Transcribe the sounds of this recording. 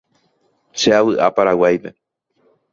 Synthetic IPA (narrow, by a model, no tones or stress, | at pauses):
ʃeaβɨʔa̰paɾawajpe̞